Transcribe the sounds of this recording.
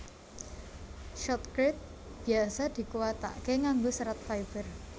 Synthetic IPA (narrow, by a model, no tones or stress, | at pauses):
ʃɔt̪̚kɾɪt̪̚ | b̥i̤asad̪̥i̤kuwat̪a̰ʔkeŋaŋɡosəɾat̪̚faib̥ər